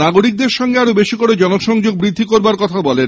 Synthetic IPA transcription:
naɡoɾik̚d̪eɾʃɔŋɡeaɾobeʃikoɽed͡ʑɔnokʃɔŋd͡ʑoɡbɾid̪ʱːikoɾbaɾkɔt̪ʰabɔlen

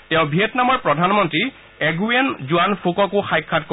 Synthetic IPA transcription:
tɛ̃ʊ̃bʱietnamɔɹpɹɔdʱanmɔntɹi | ɛɡuenzuanpʰokɔkʊxajkʰːatko

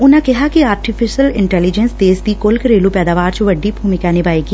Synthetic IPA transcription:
ʊnãkɛɦakiaːɾʈifʰɪʃəlɪ̰̃ɳʈɛːlɪd͡ʒənsd̪eːsd̪ikʊlkɾeːlupɛːd̪aːʋaːɾt͡ʃʋɐɖːibʱuːmɪkanɪbaːiki

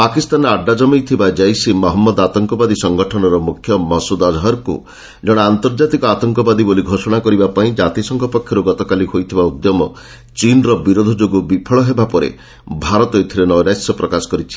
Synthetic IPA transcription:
pakist̪anɔaɖːad͡ʒɔmijt̪ʰibad͡ʒajsimɔɦɔmːɔd̪at̪ɔŋkɔbad̪isɔŋɡɔʈʰɔnɔɾɔmukʰːjɔmɔsud̪ɔd͡ʒɦɔɾkṵ | d͡ʒɔɽ̃ant̪ɔɾd͡ʒat̪ikɔat̪ɔŋkɔbad̪iboliɡʱosɔɽ̃akɔɾibapaĩd͡ʒat̪isɔŋkʰɔpɔkʰːjɔɾuɡɔt̪ɔkalihojt̪ʰibaud̪jɔmɔ | t͡ʃinɾɔbiɾod̪ʱɔd͡ʒoɡubipʰɔɭɔɦebapɔɾḛ | bʱaɾɔt̪ojt̪ʰiɾenɔjɾasjɔpɾɔkasɔ̥kɔɾit͡ʃʰi̥

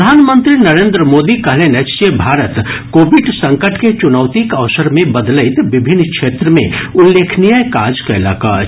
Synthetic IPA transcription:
d̪ʱaːnmə̃nt̪ɾinɐɾẽːnd̪ɾəmoːd̪ikɐɦlenet͡ʃt͡ʃebʱaːɾət̪koːbɪʈsɐ̃ŋkəʈʰket͡ʃʊnəʋt̪ikɐʋsəɾmẽbɐd̪ləɪt̪ʋɪbʱɪnːkʃeːt̪ɾəmḛ̃ʊlːeːkʰnijəjkaːd͡ʒkaɪla̰ːka̰

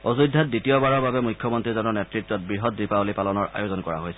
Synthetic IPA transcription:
ozudʱːat̚ditiɔbaɹɔɹbabɛmujkʰːjɔmɔntɹizɔnɔɹnɛtɹitːɔt̚bɹiɦɔtdɹipaolipalɔnɔɹʔa̰jozɔnkɔɹa̰ɦojsɛ

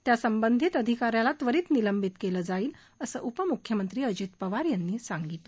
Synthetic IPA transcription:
t̪jasəmbənd̪ʱit̪əd̪ʱikaɾjalat̪ʋəɾiːt͡sniləmbit̪keləːd͡zaiːl | əsə̰ːʔupəmukʰjəmənt̪ɾiːəd͡ʑiːt̪pəʋaɾjanːiːsaŋɡit̪lə

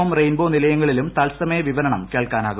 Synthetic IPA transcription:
ɐmrejnboːnilɐjɐŋːɐɭilumt̪ɐlsɐmɐjɐʋiʋɐɾɐɳɐmke̞ːɭkaːna̰ːɣu

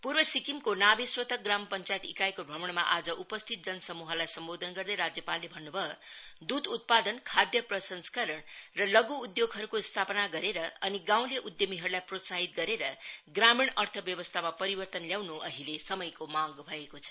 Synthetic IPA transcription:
purbʌsikimkonabiswʌt̪ʌk̚ɡrampʌnt͡sajet̪ḭkajkobʱʌmʌɳ̃ma̰ʔad͡zʌʔupʌst̪ʰit̪̚d͡zʌnʌsʌmuɦʌlajsʌmbod̪ʱʌnɡʌrd̪ʌjɾad͡zjʌpalːebʱʌnːubʱʌod̪ud̪ut̪̚pad̪ʌnkʰad̪jʌprʌsʌnskʌɾʌɳrʌlʌɡuːd̪joɡɦʌɾukost̪ʰapʌnaɡʌɾeɾʌʌniɡãw̃leʔud̪jʌmiɦʌɾulajprot̪saɦit̪̚ɡʌɾeɾʌɡrameɳʌrt̪ʰʌbjʌbʌst̪ʰamapʌɾibʌrt̪ʌnljawnuʔʌɦilesʌmʌjkomaɡbʱʌekot͡sʰʌ̥

